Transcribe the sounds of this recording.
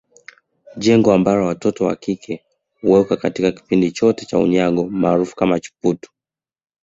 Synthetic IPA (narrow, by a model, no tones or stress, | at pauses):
ʄɛŋɡɔambaɾɔwatɔtɔwa̰kikʰɛ | uwɛukakatikaki̥pindit͡ʃɔtɛt͡ʃa̰ṵɲaɠɔmaːɾufu̥kamat͡ʃu̥putu̥